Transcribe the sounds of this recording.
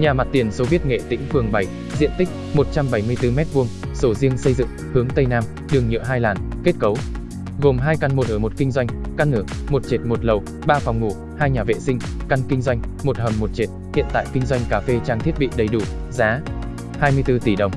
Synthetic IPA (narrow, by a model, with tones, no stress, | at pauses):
ɲaː˨˩ma˨˩t̚t̪i˨˩ənso˨˦vi˦˥ət̚ŋḛ˧˨t̪ḭ̈˧˥ŋ̟fɨ˨˩əŋɓa˨˧˩j | zḭ˧˨ənt̪i˦˥k̟̚mo˨˩t̚t͡ɕa˧mɓa˧˩jmɨ˧əjt̪ɨ˧mɛ˦˥t̚vu˧əŋso˧˩zi˧əŋsə˧jzɨ̰˧˨ŋ | hɨ˨˦əŋt̪ə˧jnaː˧m | ɗɨ˨˧˩ŋɲɨ̰˧˥ɦaː˧jlaː˨˩nke˦˥t̚kə˨˦w | ɣo˨˩mɦaː˧jka˧˩nmo˨˩t̚ʔəː˧˩mo˨˩t̚kï˧ŋ̟zwa˧jŋ̟ka˧nʔɨ˧˩ək̚mo˨˩t̚t͡ɕe˨˩t̚mo˨˩t̚lə˨˩w | ɓaː˧fa˨˩wŋ͡mŋṵ˧˩ | haː˧jɲaː˨˩vḛ˧˨sï˧ŋ̟ | ka˧nkï˧ŋ̟zwa˧jŋ̟mo˨˩t̚həː˨˩nmo˨˩t̚t͡ɕe˨˩t̚hḭ˧˨ənt̪a̰ː˧˨jkï˧ŋ̟zwa˧jŋ̟kaː˨˦fe˧t͡ɕaː˧ŋt̪ʰi˦˥ət̚ɓḭ˧˨ɗə˨˩jɗu˧˩ | zaː˨˦ | haː˧jmɨ˧əjt̪ɨ˧t̪i˧˩ɗə˧wŋ͡m